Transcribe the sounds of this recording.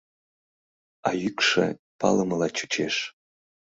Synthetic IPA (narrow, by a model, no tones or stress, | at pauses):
ɑjykʃḛ | pɑ̰ləməlɑt͡ɕu̥t͡ɕeʃ